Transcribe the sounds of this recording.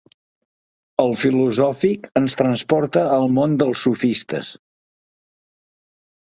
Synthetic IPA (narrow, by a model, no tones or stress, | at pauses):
əlˠfiluzɔfikənst̪ɾənspɔɾt̪əːlˠmond̪əlˠsːufist̪ə̰s